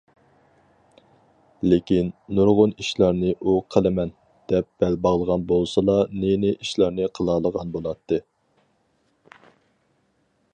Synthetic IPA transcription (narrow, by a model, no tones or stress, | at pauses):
lɪkʲinːuɾʁʊniʃlˠɑɾnɨʔuqʰəlˠɪmɛn | d̪̥ɛp̚b̥ɛlbɑʁlˠəʁɑnbolˠsɑlˠɑnenɪʔiʃlˠɑɾnɨqʰəlˠɑːlˠəʁɑnbolˠɑt̪ʰːɨ